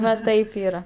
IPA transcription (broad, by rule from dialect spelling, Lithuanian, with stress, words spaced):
ʋɐ ˈtɐɪp ˈiːrɐ